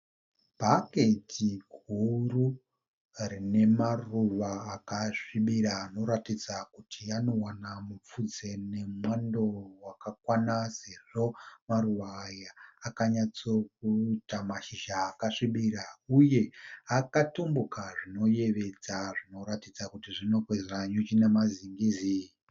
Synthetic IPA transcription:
bʱake̞tʰiɡʱuru | rine̞maruʋaːkaʂiɓiɾaːno̞ɾatid͡zakutʰiano̞wanamup͡fud͡ze̞ne̞mwandowakakwanase̞ʐ̥o̞maruʋaːjaːkaɲat͡so̞k̚utamaʃiʒaːkaʂiɓiɾauje̞akatumbukaʐino̞je̞ʋe̞d͡zaʐino̞ɾatid͡zakutiʐino̞kwezraɲut͡ʃine̞maziŋɡiːzi

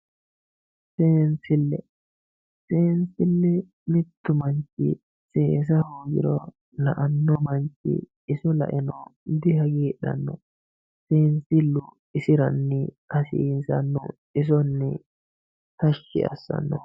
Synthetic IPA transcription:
seːnsɪlːɛ | seːnsɪlːɛ | mɪt̪ːʊmɐnt͡ʃɪ̰ | seːs̬ɐhoːɡɪɾɔ | lɐʔɐnːɔmɐnt͡ʃːɪ̰ː | sɔlɐ̰ʔɛnɔd̪ɪhɐɡiːɗɐ̰nːɔ | seːnsɪlːʊ | ɪsɪɾɐnːɪkɐsiːsɐnːɔ̰ | ɪs̬ɔnːɪ | t̪ɐʃːɪ̰ɐ̰sːɐ̰nːɔ

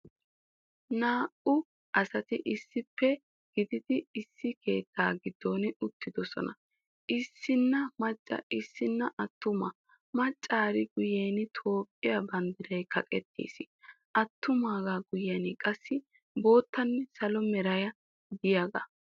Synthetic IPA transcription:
naːʔʊ | ʔɐsɐt̪ɪʔɪsːɪpːɛ | ɡ̥ɪd̪ɪd̪ɪɪsːɪkʰe̞̰ːt̪ʰːaːɡɪd̪̥ːo̞ːnɪʊt̪ːɪd̪ɔsɔ̰nɐ | ʔɪsːɪnːɐmɐt͡ʃʼːɐ̰ɪsːɪnːɐʔɐt̪ːʊmɐ | mɐt͡ʃʼːaːɾɪɡʊjeːnɪt̪ʰo̞ːpʼːɪjɐbɐnd̪ɪɾɐjkʰɐkʼɛt̪ːḛːsɪ | ʔɐt̪ːʊmaːɡaɡʊjɐnɪkʼɐsːɪ | bo̞ːt̪ʰːɐnːɛsɐlɔmɛɾɐjɐ | d̪ɪjaɡɐ̰

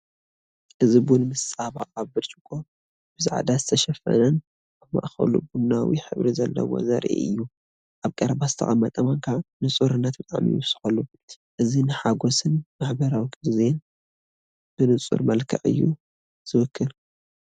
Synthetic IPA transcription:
ʔɨzibunmɨsʼaβa̰aβbɨt͡ʃʼɨkʼːo | bɨzaʕa̰d̪azɨt̪ʰɐʃɐfɐ̰nɐn | ʔaβma̰ʔxɐ̰lṵbunawḭħɨβɾizɐlːɐ̰wo̰zɐ̰ɾʔʔḛʔɨ̰jːu | ʔaβkʼɐɾbazɨt̪ʰɐ̰xʼɐmːɐt̪ʼɐmɐŋkʰaʕnɨt͡sʼuɾɨnːɐt̪̚bɨt̪ʼaʕmḭjɪ̰βsɨ̥ħɐlːu | ʔɨzinɨħaɡosɨnmaħbɐɾawikʼɨd̪zen | b̥ɨnɨt͡sʼṵɾmɐlkʰɐʕɨ̰jːṵ | z̥ɨwɨkʰːɨl

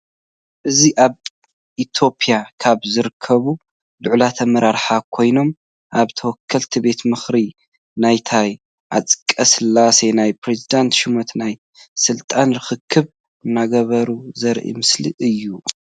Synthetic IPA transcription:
ʔɨziʔaβ | ʔit̪ʰo̞pʰʼijakʰaβzɨɾɨkʰːɐβu | lʊʕlat̪ʰɐmɐɾaɾħakʰo̞jno̞m | ʔaβt̪ʰɐwɔkʰːɐlt̪ʰibe̞t̪mɨxɾi | najt̪ʰaj | ʔa̰t͡sʼɨ̥kʼːɐsɨlasenajpɾe̞zid̪ant̪ʃɪmot̪naj | sɨlt̪ʼanɾɨxɨkʰːɨβ | ɨnːaɡɐβɐɾuzɐɾʔḭmɨsliʔɨjːu

